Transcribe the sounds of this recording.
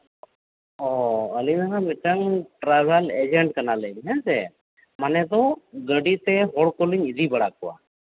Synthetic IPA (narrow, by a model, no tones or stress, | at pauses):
ɔəlinaɦamiʈəŋʈɾabʱɛlɛd͡ʒɛɳʈkanalɛɲɦɛnsɛ̰ | manɛd̪ɔɡəɖit̪ɛɦɔɽkɔliɲid̪ibəɽakɔwa̰